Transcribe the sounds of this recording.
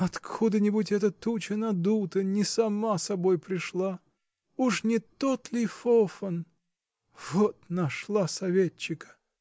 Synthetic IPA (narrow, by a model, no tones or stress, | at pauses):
ɐt̪kʰud̪ənʲɪbutʲɛt̪ət̪ut͡ɕənɐd̪ut̪ənʲɪsɐmasɐbojpɾʲɪʂlˠa | uʂnʲɪt̪ot̪lʲɪfofən | v̥ot̪nɐʂlˠasɐvʲet͡ɕːɪkə̥